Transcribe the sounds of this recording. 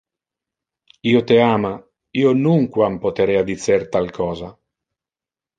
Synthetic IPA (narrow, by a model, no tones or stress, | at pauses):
iːot̪eaːma | iːonuŋkwampot̪eɾɛad̪isert̪alkʰɔːza